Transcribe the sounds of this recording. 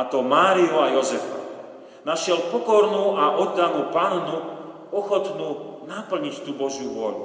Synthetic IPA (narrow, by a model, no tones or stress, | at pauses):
at̪ɔmaːɾiɔajɔzɛfa̰ | naʃɪɛlpɔkɔɾnuːaʔɔd̪ːanupaːnnu | ɔxɔt̪nuːnapl̩ɲict̪uːbɔʒjuʋʊɔʎṵ